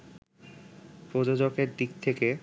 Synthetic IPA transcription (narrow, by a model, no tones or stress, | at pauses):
pɾod͡ʑod͡ʑokeɾd̪ik̚t̪ʰeke